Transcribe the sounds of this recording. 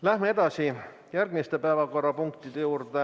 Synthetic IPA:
læhmee̞d̪̥ɑsi | jærɡ̥mist̪epæevɑko̞rːɑpuŋkt̪id̪̥ejuːrd̪e

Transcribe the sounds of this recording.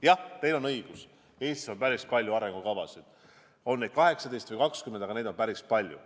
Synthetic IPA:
jɑt̪e̞jlo̞nɤiɡ̥us | e̞ːst̪iseonpæɾispɑlʲjuɑɾe̞ŋɡ̥ukɑvɑsid̪̥ | o̞nnːed̪̥̚kɑɦe̞ksɑd̪e̞jst̪vɨjkɑkskymend̪ɑɡɑne̞ːd̪onpæɾispɑlʲjṵ

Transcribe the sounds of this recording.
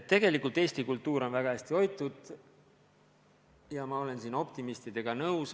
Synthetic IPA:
t̪ːe̞ɡ̥e̞likˑult̪ˑe̞ːsʲt̪ikult̪ːˑuːɾo̞nvæɡ̥ɑæsʲt̪io̞jt̪ːˑud̪̥ | jɑmɑo̞le̞nsiːno̞p̚t̪imist̪id̪̥e̞ɡ̥ɑnɤws

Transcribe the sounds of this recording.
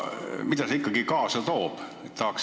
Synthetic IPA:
mit̪æseikːɑɡikɑːsɑt̪oːp | t̪ɑːks

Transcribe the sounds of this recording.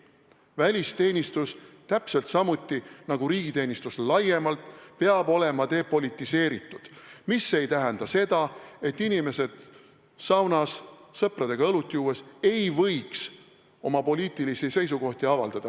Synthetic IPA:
vælʲist̪e̞ːnʲist̪ust̪æpse̞lt̪sɑmut̪ːˑinɑɡ̥uɾiːɡ̥it̪eːnʲist̪uslɑje̞mɑlt̪peɑb̥o̞le̞mɑt̪e̞ːpo̞lʲit̪ːˑise̞ːɾit̪ːˑud̪̥mise̞jt̪æɦɛnd̪̥ɑse̞d̪̥ɑe̞t̪ːinime̞se̞d̪̥ | sɑwnɑssɤprɑd̪̥e̞ɡ̥ɑɤlut̪ˑːijuːe̞se̞jvɤjks | o̞mɑpo̞liːt̪ilisise̞jsuko̞ht̪iɑvɑ̰ld̪̥ɑd̪̥ɑ

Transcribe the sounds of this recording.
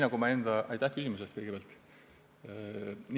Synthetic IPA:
nɑɡumɑe̞nd̪̥ɑʔɑjt̪ːˑæhkys̬ʲimus̬est̪̚kɤjɡ̥e̥æɑlt̪ˑ | n

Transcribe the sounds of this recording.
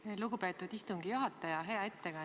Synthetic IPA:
luɡupe̞t̪ːˑud̪̥ist̪uŋɡ̥ijuɦɑt̪ːˑɑjɑɦe̞ɑe̞t̪ːe̞ɡ̥ɑ

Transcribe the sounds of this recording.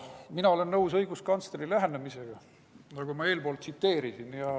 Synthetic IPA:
minɑole̞nːɤwsɤjɡ̥uskɑnst̪eɾilæɦenːemise̞ɡ̥ɑ | nɑɡ̥umɑe̞ːlb̥o̞ːlt̪sit̪ːe̞ːɾisinjɑ

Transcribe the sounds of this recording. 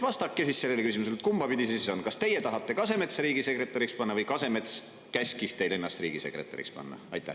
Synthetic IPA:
vɑst̪ɑkːˑe̞sissːe̞lːelekysʲimus̬elt̪̚kumb̥ɑpid̪ʲisessonkɑst̪e̞jet̪ɑɦɑt̪ːˑe̞kɑse̞me̞t̪sɾiːɡise̞kre̞t̪ːˑɑɾikspɑnːɑvɤjkɑse̞me̞t̪s | kæsʲkist̪e̞jlenːɑst̪riːɡ̥ise̞kɾe̞̰t̪ːˑɑ̰ɾḭkspɑ̰nːɑ̰ɑ̰jt̪ˑːæ̰

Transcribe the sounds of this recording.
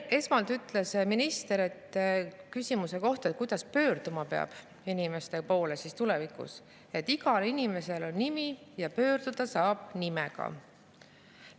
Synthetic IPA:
e̞smɑlt̪yt̪ːˑle̞sminist̪e̞ɾe̞t̪ːkysʲimuse̞ko̞ht̪ɑet̪̚ːˑkujd̪̥ɑspø̞ːrd̪̥umɑpe̞ɑ̰b̥ | inime̞st̪e̞po̞ːle̞sist̪ulevikṵs | e̞t̪ːˑiɡ̥ɑlinime̞se̞lo̞nːimijɑpø̞ːrd̪̥ud̪̥ɑsɑːb̥nimɛɡ̥ɑ̰

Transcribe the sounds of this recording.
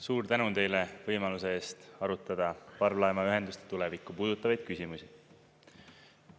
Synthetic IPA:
suːɾt̪ænunt̪e̞jle̞vɤjmɑluse̞e̞ːst̪ɑɾut̪ːˑɑd̪̥ɑpɑrvlɑemɑyɦe̞nd̪ust̪et̪ule̞vikːˑupuːd̪̥ut̪ːˑɑvɑjd̪̥̚kysʲimusi

